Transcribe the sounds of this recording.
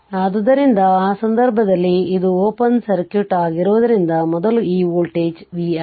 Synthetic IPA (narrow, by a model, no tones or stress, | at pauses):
ɐd̪ud̪ɐɾind̪ɐaːsɐnd̪ɐɾbʱɐd̪ɐlːiːd̪uoːpɐnsɐɾkjuʈaːɡiɾuːʋɐd̪ɐɾind̪ɐmɔd̪ɐluiːʋoːlʈeːd͡ʒʋiːa